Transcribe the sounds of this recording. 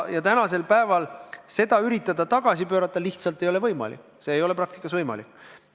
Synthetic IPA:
jɑt̪ænɑse̞lpæe̞vɑlse̞d̪̥ɑyɾit̪ːˑɑd̪̥ɑt̪ɑɡ̥ɑsipøːɾɑt̪ːˑɑliht̪sɑlt̪ːˑe̞jo̞le̞vɤjmɑ̰lḭkː | se̞ːjo̞le̞pɾɑkt̪i̥kːˑɑsvɤjmɑ̰likː

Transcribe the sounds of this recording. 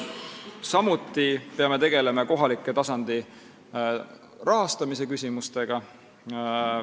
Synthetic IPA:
sɑmut̪ːˑipe̞ɑme̞t̪e̞ɡ̥e̞le̞mɑko̞ɦɑlikːˑet̪ɑsɑnd̪̥i | rʔɑɦɑst̪ɑmise̞kysʲimust̪e̞ɡ̥ɑ

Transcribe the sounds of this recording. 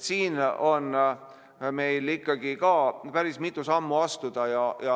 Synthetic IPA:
siːno̞n | me̞jlikːɑɡ̥ikɑːpæɾismit̪ːˑusɑmːuɑst̪ud̪̥ɑjɑjɑ

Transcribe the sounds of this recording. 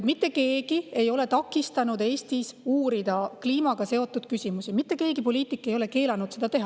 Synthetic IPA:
t̪mit̪ːe̞ke̞ːɡ̥ie̞jo̞le̞t̪ɑkːˑist̪ɑnud̪e̞ːst̪isuːɾid̪̥ɑkliːmɑɡ̥ɑse̞o̞t̪ˑːud̪̥kysimusimit̪ˑːe̞ke̞ːɡ̥ipo̞lʲiːt̪ˑikːˑe̞jo̞le̞ke̞ːlɑnud̪̥se̞d̪ɑt̪e̞ɦɑ

